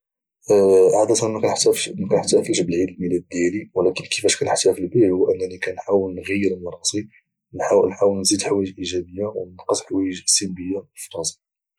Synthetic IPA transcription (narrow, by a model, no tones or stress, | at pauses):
ʕad̪æt̪ɑnkænt̪kænəħt̪æfəlʃbəlʕid̪əlmilæd̪̚ːjæliwlækənkəfæʃkænəħt̪æfilbiʕhuwʔənːænikænħawəlnɣəjːəɾəlmɑɾˤɑsˤi | nħawnħawəlnzid̪ħwæjəʒʔiʒæbəjːawnənqəsħwæjəʒsəlbəjːafi̥t̪unsi